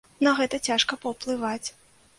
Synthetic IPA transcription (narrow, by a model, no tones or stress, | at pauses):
nɐɣɛt̪ɐt͡sʲaʂkɐpɐwplˠɨvat͡sʲ